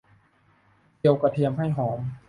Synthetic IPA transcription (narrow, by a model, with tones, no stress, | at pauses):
di˧əwka˧t̪ʰi˧əmɦa˥˩jɦɔː˩˦m